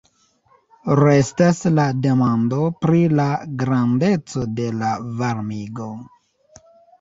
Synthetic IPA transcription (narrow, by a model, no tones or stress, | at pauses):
ɾe̞staslade̞mando̞pɾilaɡɾande̞t͡so̞de̞lavaɾmiɡo̞